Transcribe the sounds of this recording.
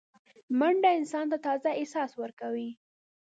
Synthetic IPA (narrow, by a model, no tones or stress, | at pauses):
maɳɖaɪnsɑnt̪at̪ɑzaɪsɑswəɾkawi